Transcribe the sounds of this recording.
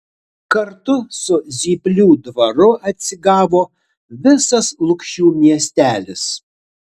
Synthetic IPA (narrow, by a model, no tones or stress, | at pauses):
kɐɾt̪ʊsʊzʲiːpʲlʲuːd̪ʋɐɾʊʔɐt̪ʲsʲɪɡɑːʋoː | ʋʲɪsɐslˠʊkʃʲuːmʲiɛsʲt̪ʲæːlʲɪs